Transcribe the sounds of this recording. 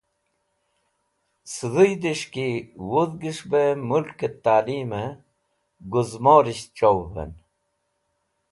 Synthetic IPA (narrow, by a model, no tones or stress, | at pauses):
sɨðujd̪iʂkiwuðɡiʂbemulket̪ːaːliːme | ɡuzmoːɾiɕt͡ɕowvḛn